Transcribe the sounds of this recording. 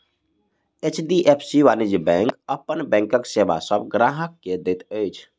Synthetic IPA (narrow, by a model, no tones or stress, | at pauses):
et͡ʃɖ̪iʔepʰsiʋanid͡ʒibɛ̃ŋkəpənbɛ̃ŋkəkseba̰səbɡɾaɦəkːed̪et̪əjt͡ʃʰ